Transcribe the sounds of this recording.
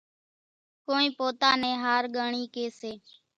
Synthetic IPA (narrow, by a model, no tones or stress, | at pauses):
koːĩːpoːt̪aːnẽːɦaːɾɠaːɳiːkeːseː